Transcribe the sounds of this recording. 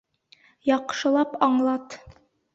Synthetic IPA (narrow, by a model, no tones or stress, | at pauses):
jɒqʃɤ̆lˠɑpɑɴlˠɑt̪